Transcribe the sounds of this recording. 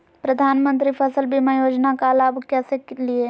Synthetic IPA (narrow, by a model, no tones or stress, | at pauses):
pɾəd̪ʱaːnmə̃nt̪ɾipʰəsəlbʱimejoːd͡ʒnakalaːbkɛːseklie